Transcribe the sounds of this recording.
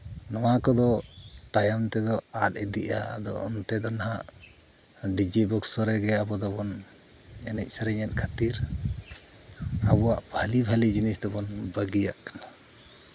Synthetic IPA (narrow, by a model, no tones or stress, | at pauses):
nɔwakɔd̪ɔt̪ajamt̪ɛd̪ɔat̪̚ɛd̪iʔa̰d̪ɔ̰ɔ̰nt̪ɛd̪ɔnɦaʔ | ɖid͡ʒibɔksɔɾɛɡɛabɔd̪ɔbɔn | ɛnɛc̚ˀsaɾɛɲɛt̪̚kʰat̪iɾ | abɔwaʔbʱalibʱalid͡ʒinisd̪ɔbɔnbaɡijaʔkḁna